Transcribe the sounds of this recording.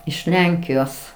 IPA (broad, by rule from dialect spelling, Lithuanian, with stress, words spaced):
ɪʃ ˈlʲɛŋʲkʲɪjoːs